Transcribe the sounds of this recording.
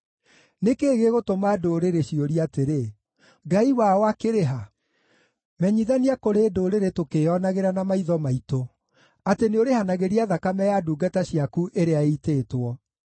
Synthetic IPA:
nekeːɣeɣotomadoɾeɾeɕioɾiateɾe | ɡaiwawakeɾeɦa | mɛɲiðaniakoɾeːdoːɾeɾetokeɔnaɣeɾanamaiðɔmaito | ateneoɾehanaɣeɾiaðakamɛjaduːɡataɕiakuʔeɾeaiteːtwɔ

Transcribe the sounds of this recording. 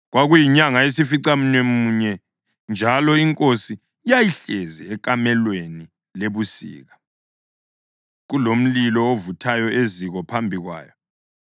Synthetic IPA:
ɣwaɣujiɲaŋaesifiǀam̩nemuɲɛ | nd͡ʒʱalɔiŋkʼosi | jajiɬɛzɛɛk̬ʼamɛlweni | leβusḭːɣa | ɣulom̩lilɔovutʰajɔʔeziɣɔpʰambʱiɣwa̰ːjɔ

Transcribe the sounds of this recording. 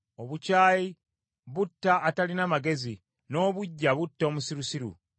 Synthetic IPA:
o̞βucaːji | βutːaːtalinamaɡe̞zi | no̞ːβuɟːaβutːo̞musiɾusiɾṵ

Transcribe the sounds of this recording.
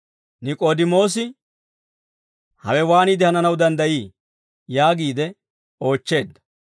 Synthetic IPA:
nɪkʼoːd̪ɪmo̞ːs̬ɪ | hɐ̰wɛwaːnid̪ɪhɐnɐnɐwd̪ɐnd̪ɐjiː | jaːɡiːd̪ɛ | o̞ːt͡ʃːe̞ːd̪ːɐ̥

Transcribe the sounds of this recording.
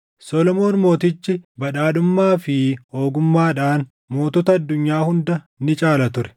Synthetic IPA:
sɔlɔmo̞ːnmo̞ːt̪ɪt͡ʃːɪbɐᶑaːdʊmːaːfɪho̞ːɡʊmːaːᶑaːn | mo̞ːt̪ɔːt̪ɐɐd̪ːʊɲːaːhʊnd̪ɐ | nɪt͡ʃʼaːlɐt̪ʊɾɛ̥

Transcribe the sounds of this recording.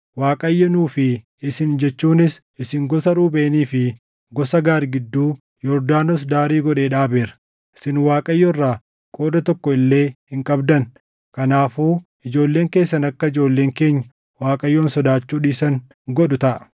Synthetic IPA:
waːkʼɐjːɐnuːfɪ | ɪsɪnd͡ʒɛt͡ʃːuːnɪs | ɪsɪŋɡɔsɐɾuːbeːniːfɪ | ɡɔsɐɡaːɾɡɪd̪ːuː | jɔɾd̪aːnɔs̬d̪aːɾiːɡɔᶑe̞ːᶑaːbeːɾɐ̥ | ɪsɪnwaːkʼɐjːɔrːaː | kʼo̞ːd̪ɐt̪ɔkːɔɪlːe̞ːhɪŋkʼɐbd̪ɐn | kɐnaːfuːʔɪd͡ʒo̞ːlːe̞ːŋkeːsːɐnɐkːɐɪd͡ʒo̞ːlːeːŋke̞ːɲːɐ̥ | waːkʼɐjːɔːnsɔd̪aːt͡ʃːuːᶑiːsɐŋ | ɡɔɗʊt̪ɐʔɐ

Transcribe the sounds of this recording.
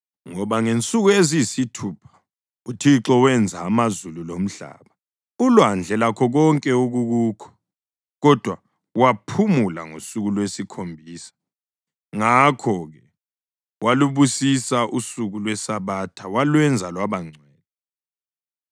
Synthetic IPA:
ŋɔβaŋent͡sʼuɣuezisitʰuːpʰḁ | utʰiǁɔwɛnd͡zʱaːmazululom̩ɬa̰ːβa | ulwand͡ɮʱɛlakʰɔɣɔŋkʼɛuɣuɣuːkʰɔ̥ | ɣɔd̥ʱwa | wapʰumula̰ŋo̰suɣulwesikʰombʱiːsḁ | ŋakʰɔɣɛ | waluβusisaʔusuɣulwɛsaβatʰawalwɛnd͡zʱalwaβaŋ͡ǀʱwɛːlɔ

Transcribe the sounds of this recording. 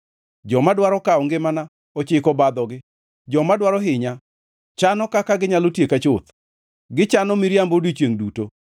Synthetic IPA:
d͡ʒɔmadwaɾɔkaɔŋɡɪmana | ɔt͡ʃɪkɔbad̪ɔɡɪ | d͡ʒɔmadwaɾɔɦɪɲa | t͡ʃanɔkakaɡɪɲalotjekat͡ʃʊt̪ | ɡɪt͡ʃanɔmiɾjambodit͡ʃweŋduto

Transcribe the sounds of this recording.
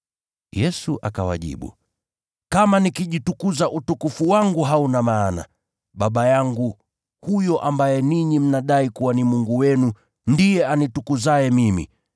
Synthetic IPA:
jɛsuʔakawa̰ʄḭɓṵ | kamanikiʄitukuzaʔutukufuwaŋɡuɦaunamaːna̰ | ɓaɓajaŋɡu | hujɔʔambajɛniɲim̩naɗaikuwanimuŋɡuwɛnu | ndijɛanitukuzajɛmimḭ

